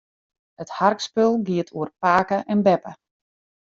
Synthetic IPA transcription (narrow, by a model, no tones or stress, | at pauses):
hətharkspølˠɡiətʰuərpaːkəʔɛnbɛpə